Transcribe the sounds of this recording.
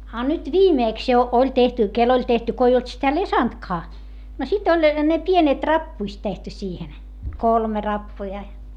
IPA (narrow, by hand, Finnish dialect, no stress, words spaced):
ɑ nyt ʋiːmeˑks jo olʲ tehty kel olʲ tehty ko ei olt sitæ lesɑntkɑː no sit olʲ ne pienet rɑpːuist tehty siːhen kolme rɑpːujɑ